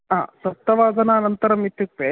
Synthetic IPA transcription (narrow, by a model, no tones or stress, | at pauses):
a̰ːsɐt̪ːɐʋaːd̪ɐnɐːnɐnt̪ɐɾɐmit̪juk̚t̪e